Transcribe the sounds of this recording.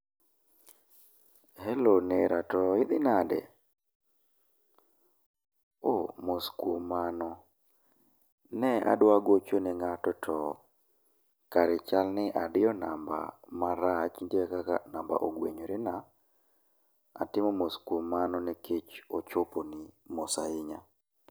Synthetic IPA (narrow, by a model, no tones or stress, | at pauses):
hɛloneɾatɔɪd̪ɪnadɛ̰ | omoskwomanɔ | nɛa̰dwaɡot͡ʃonɛŋatɔtʰɔ | kaɾɛt͡ʃalnɪʔadɪjɔnamba̰maɾat͡ʃindekaka̰namba̰ʔoɡweɲoɾɪna | a̰tɪmɔmoskwomːanɔnɛket͡ʃot͡ʃoponimosaɪɲa